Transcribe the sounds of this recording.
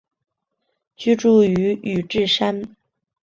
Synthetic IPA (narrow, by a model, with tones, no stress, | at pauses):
t͡ɕy˥˧ʈ͡ʂu˥˩y˧˥y˨˩ʈ͡ʂɻ̩˥˩ʂa˥n